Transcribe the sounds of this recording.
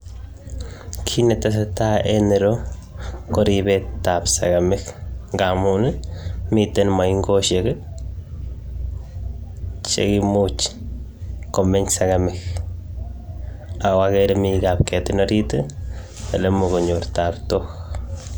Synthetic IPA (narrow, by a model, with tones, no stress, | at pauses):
kʰi˦ne˧t̪a˦s̬a˧t̪a˦e˦ne˨˧ɾo˦ | ko˦ɾi˧be˦t̪a˨bsa̰˨ɡa˨me˦xŋɡa˨mu˦nɨ˦mi˦˧t̪e˦nma˨jŋɡo˦ʃe˨ɡɨ˦ | t͡ʃḛ˧ɡi˧mu˦t͡ʃ | ko˨me˦ɲsa˧ɡa˧me˦x | a˨wa˧ɣe˦ɾe˦mi˧ɡa˧pke˨t̪e˦no˦ɾi˦t̪ɨ˦ | pe˨le˦mo˧ɡo˨ɲo˨ɾt̪a˨bt̪o˦x